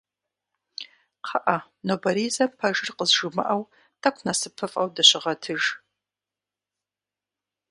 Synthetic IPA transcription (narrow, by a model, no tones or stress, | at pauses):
qʰɐʔɐ | nobɐɾiːzɐpʰɐʒɪrqəzʒɨmɨ̰ʔɐw | tʰɐkʷʰnɐsɨpʰːɨfʼɐ̰wdɐɕɪʁɐtʰɨʒ